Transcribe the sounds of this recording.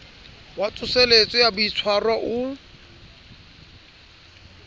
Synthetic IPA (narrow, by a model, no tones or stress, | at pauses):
wat͡sʼʊselet͡sʼɔjabʊit͡sʰwarwaʔʊ